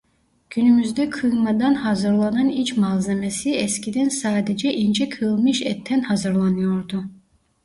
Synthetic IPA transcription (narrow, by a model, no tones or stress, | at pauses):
ɟ̥ynymyzd̪ɛkʰɯmad̪anɦazɯɾlˠananit͡ʃmalˠzemesiɛscid̪ɛnsaːd̪ed͡ʒɛʔind͡ʒɛkʰɯlˠmɯʃɛt̪ʰːɛnhazɯɾlˠanɯjo̞ɾd̪u